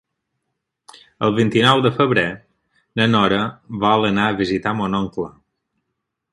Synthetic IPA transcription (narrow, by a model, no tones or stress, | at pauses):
ə̰lˠβint̪inɔwd̪əfəβɾe | nənɔɾəβaələnaəβizit̪amonɔŋklə